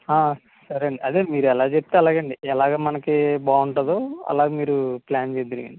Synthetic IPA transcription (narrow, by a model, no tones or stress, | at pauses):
aː | sɐɾɐɳɖiʔɐd̪e̞ːmiːɾuɛlaːt͡ʃepi̥t̪eːɐlaːɡɐɳɖiɛlaːɡaːmɐnɐkibaːuɳʈɐd̪oːɐ̰laːɡeːmiːɾuplaːnt͡ʃeːd̪iɾɡɐ̰ɳɖi